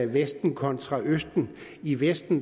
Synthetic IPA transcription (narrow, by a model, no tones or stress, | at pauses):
æʋesd̥n̩kʰɒ̽nt͡sʰʁɑ̈ʔøsd̥n̩iʋesd̥n̩